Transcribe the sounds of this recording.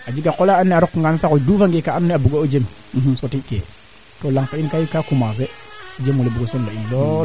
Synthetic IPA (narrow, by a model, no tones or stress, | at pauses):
ad͡ʒiɡakolaanːɛaɾɔkŋɡansakodufaŋɡekaanːiabuɡood͡ʒem | sotikḛ | tolaŋtainkajkakumas̬e | d͡ʒemulebuɡosɔnloinlɔ